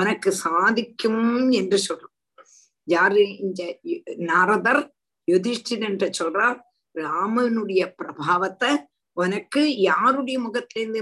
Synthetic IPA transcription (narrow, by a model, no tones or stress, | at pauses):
ɔnɐkːɯsaːðɪkʲːɯmɛndrɯsɔlːɐ | jaːɾɯɪnd̪ɐnaɾɐðɐɾ | jʊðɪsʈɪnɛɳʈɐt͡ʃːɔlraːɾ | ɾaːmɐnɯɽɐjɐpɪɾɐbʱaːʋɐt̪ːɐ | ɔnɐkːɯjaːɾɯɽɐjɐmʊɣɐt̪ːɪlɐɾɯnd̪ɯ